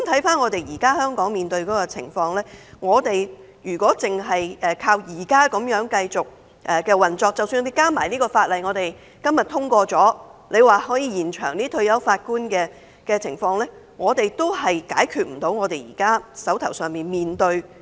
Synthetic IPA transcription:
mt̪ʰɐ˨˥jfaː˥nŋɔː˨˧t̪e˨jjiː˨˩kaː˥hœː˥ŋkɔː˨˥ŋmiː˨nt̪ɵ˧ɥkɔː˨˥kɔ˧t͡sʰɪ̰˨˩ŋfɔː˧ŋlɛː˥ŋɔː˨˧t̪e˨j | jyː˨˩kʷɔː˨˥t͡sɪ˨ŋɦɐ˨jʔɛː˨˩kʰaː˧wjiː˨˩kaː˥kɐ˨˥mjœː˨˥ŋkɐ˧jt͡sʊ˨k̚ | ʔɛ˨kɛː˧wɐ˨nt͡sɔː˧k̚t͡sɐ˨wsyː˧nɔ˨˧te˨jkaː˥maː˨˩jniː˥kɔː˧faː˧t̚lɐ˨jŋɔː˨˧t̪e˨j | kɐ˥mjɐ˨t̪̚ʰʊ˥ŋkʷɔː˧t͡sɔː˨˥le˨˧jwaː˨hɔː˨˥jiː˧jiː˨˩nt͡ʃʰœː˨˩ŋniː˥t̪ʰɵ˧ɥjɐ˨˥wfaː˧t̚kuː˥nkɛː˧ | kɛː˧t͡sʰɪ˨˩ŋfɔː˧ŋlɛː˥ | ŋɔː˨˧t̪e˨jt̪o˥whɐ˨jka̰ː˨˥jkʰyː˨˧t̚m̩˨˩t̪o˨˥wŋɔː˨˧t̪e˨jjḭː˨˩kaː˥sɐ˨˥wt̪ʰɐ˨˩wsœː˨ŋmiː˨nmiː˨nt̪ɵ˧ɥ

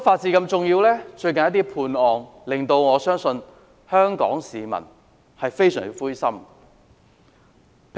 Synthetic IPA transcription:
faː˧t̚t͡siː˧kɐ˧mt͡sʊ˨ŋjiː˧wlɛː˥t͡ʃɵ˧ɥkɐ˨njɐ˥t̪̬iː˥pʰuː˧nɔː˨˩ŋlɪ˨˩ŋt̪o˧wŋɔː˨˧sœː˥ŋsɵ˧n | hœː˥ŋkɔ̰ː˨˥ŋsiː˨mɐ̰˨˩n | hɐ˨jfe˥jsœ̰ː˨˩ŋ˥fuː˥jsɐ˥m | pʰ

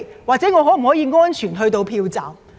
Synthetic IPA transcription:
waː˨k̚t͡sɛ˨˥ŋɔː˨˧ɦɔː˨˥m̩˨˩ɔː˨˥jiː˨˧ŋɔː˥nt͡ʃʰyː˨˩nɦɵ˧t̪o˧wpʰiː˧wt͡sa̰ː˨˩m

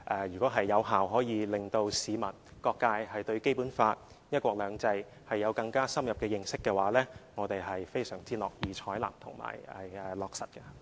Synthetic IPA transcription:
ʔɛː˨˧jyː˨kɔː˨˥ɦɐ˨jːɐ˨˧wɦaː˨wɦɔː˨˥jiː˨˧lɪ˨ŋt̪o˧wsiː˨˧mɐ˨˩nkɔː˧kːaː˧jhɐ˨jt̪ɵ˧ɥke˥jpuː˨˥nfaː˧t̚ | jɐ˥t̚kʷɔː˧k̚lœː˨˧ŋt͡sɐ˧j | hɐ˨jːɐ˨˧wkɐ˧ŋkaː˥sɐ˥mjɐ˨p̚kɛː˧jɪ˧ŋsɪ˥kːɛː˧waː˨˥lɛː˥ŋɔː˨˧t̪e˨jhɐ˨jfe˥jsœː˨˩ŋt͡siː˥lɔ̰ː˨˩k̚jiː˨t͡ʃʰɔː˨˥jla̰ː˨˩mt̪ʰʊ˨˩ŋma̰ː˨˩jɛ˨˩ɛ˨lɔː˨k̚sɐ˨t̚kɛ˧

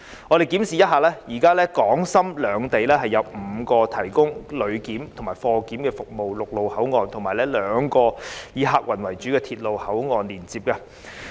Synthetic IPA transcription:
ŋɔ˨˧ɾe˨jkiː˨˥msiː˨jɐ˥t̚ɦaː˨lɛː˥jiː˨˩kaː˥lɛː˥kɔː˨˥ŋsɐ˥mlœː˨˧ŋt̪e˨jlɛː˥ɦɐ˨jːɐ˨˧wm̩˨˧kɔː˧t̪ʰɐ˨˩jkʊ˥ŋlɵ˨˧ɥkiː˨˥mt̪ʰʊ˨˩ŋmaː˨˩fɔː˧kiː˨˥mkɛː˧fʊ˨k̚mo˨wlʊ˨k̚lo˨whɐ˨˥wŋɔː˨˧nt̪ʰʊ˨˩ŋmaː˨˩jlɛː˥lœː˨˧ŋkɔː˧jiː˨˧ɦaː˧k̚wɐ˨˩nwɐ˨˩jt͡ʃyː˨˥kɛː˧t̪ʰiː˧t̚lo˨whɐ˨˥wŋɔː˨nliː˨˩nt͡siː˨p̚kaː˧

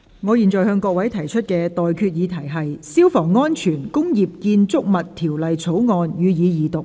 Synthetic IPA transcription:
ŋɔː˨˧jiː˨˩nt͡sɔː˨˩hœː˧ŋkɔː˧k̚wɐ˨˥jt̪ʰɐ˨˩jt͡ʃʰɵ˥t̚kɛː˧t̪ɔː˨jkʰyː˧t̚jiː˨˧t̪ʰɐ˨˩jɦɐ˨jsiː˥wfɔː˨˩ŋːɔː˥nt͡ʃʰyː˨˩nkʊ˥ŋjiː˨p̚kiː˧nt͡sʊ˥k̚mɐ˨t̚t̪ʰiː˨˩wlɐ˨jt͡sʰo˨˥wŋɔː˧njyː˨˧jiː˨˧jiː˨˧t̪ʊ˨k̚

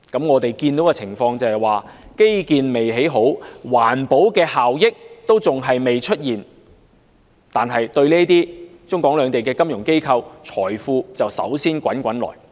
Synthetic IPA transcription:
kɐ˨˧˥mŋɔː˨˧t̪e˨jkiː˧nt̪o˨˥wkɐː˧t͡sʰɪ˨˩ŋfɔː˧ŋt͡sɐ˨whɐ˨jwaː˨ke˥jkiː˨nme˨jɦe˨˥jɦo˨˥wwaː˨˩npo˨˥wkɛː˧haː˨wjɪ˥k̚t̪o˥wt͡sʊ˨ŋɦɐ˨jme˨jt͡ʃʰɵ˥t̚jiː˨n | t̪aː˨nɦɐ˨jt̪ɵ˧ɥlɛː˥t̪iː˥t͡sʊ˥ŋkʷɔː˨˥ŋlœː˨˧ŋt̪e˨˩jkɛː˧kɐ˥mjʊ˨˩ŋke˥jkʰɐ˧wt͡ʃʰɔː˨˩jfuː˧t͡sɐ˨wsɐ̰˨˥wsiː˥nkʷɐ˨˥nkʷɐ˨˥nlɔ̰ː˨˩j

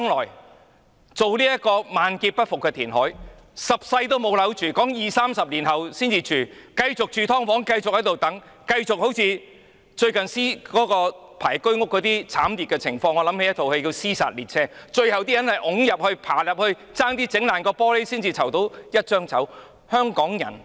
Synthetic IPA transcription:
ŋlɔː˨˩j | t͡so˨wliː˥jɐ˥kɔː˧maː˨nkiː˧t̚pɐ˥t̚fʊ˨kːɛː˧t̪ʰiː˨˩nɦɔ̰ː˨˥j | sɐ˨p̚sɐ˧jt̪̬o˥wmo˨˧wlɐ˨˥wt͡ʃyː˨kɔː˨˥ŋjiː˨˩saː˥msɐ˨p̚liː˨˩nɦɐ˨˩wsiː˥nt͡siː˧t͡ʃyː˨˩kɐ˧jt͡sʊ˨k̚t͡ʃyː˨t̪ʰɔː˥ŋfɔː˨˥ŋkɐ˧jt͡sʊ˨k̚hɐ˨˥jt̪wt̪ɐ˨˥ŋ | kɐ˧jt͡sʊ˨k̚ho˨˥wt͡sʰiː˧ | t͡ʃɵ˧ɥkɐ˨nsiː˥kɔː˨˥kɔː˧pʰaː˨˩jkɵ˥ɥŋʊ˥kːɔː˨˥t̪iː˥t͡sʰaː˨˥mliː˨t̚kɛ˧t͡sʰɪ˨˩ŋfɔː˧ŋɔː˨˧lɐ˨˥me˧˥jɐ˥t̪ʰo˨whe˧jki˧wsiː˥sa̰ː˨t̚liː˨t̚t͡sʰɛː˥t͡ʃɵ˧ɥhɐ˨wt̪iː˥jɐ˨˥nhɐ˨jʔʊ˨˥ŋjɐ˨p̚hɵ˧ɥpʰaː˨˩jɐ˨p̚hɵ˧ɥ | t͡saː˥ŋt̪iː˥t͡sɪ˨˥ŋlaː˨˩nkɔː˧pɔː˥le˥siː˥nt͡siː˨t͡sʰɐ˨˩wt̪o˨˥wjɐ˥t̚t͡ʃœː˥ŋt͡sɐ̰˨˥w | hœː˥ŋkɔː˨˥ŋjɐ̰˨˩n

